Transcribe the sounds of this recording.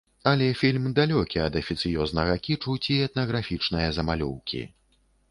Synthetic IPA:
ɐlʲɛfʲilʲmd̪alʲɔkʲiɐd̪ɐfʲit̪sɨjɔznɐɣɐkʲit͡ʂut͡sʲiɛt̪nɐɣɾafʲit͡ʂnɐjɐzɐmalʲuwkʲḭ

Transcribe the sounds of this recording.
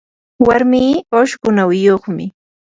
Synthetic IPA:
waɾmiːoʃkʊnawɪjoχmɪ̰

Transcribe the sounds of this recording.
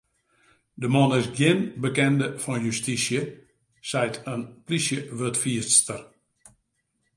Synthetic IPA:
dəmɔnɪsɡjɪnbəkɛndəfɔnjystisjə | sɛjtʰənplisjəʋøtfiəstər

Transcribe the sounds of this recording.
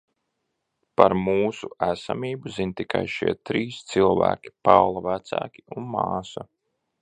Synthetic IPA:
paɾmuːsuæsamiːbuzint̪ika̰jʃiɛt̪ɾiːst̪silˠvæ̰ːkʲi̥pawlˠavæt̪sæ̰ːkʲi̥unmaːsa

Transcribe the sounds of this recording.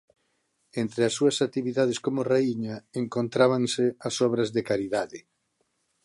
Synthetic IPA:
ent̪ɾeasːuɐsat̪iβiðað̞eskomoreiɲaeŋkont̪ɾaβaŋseasɔβ̞ɾazðekaɾiðaðɪ

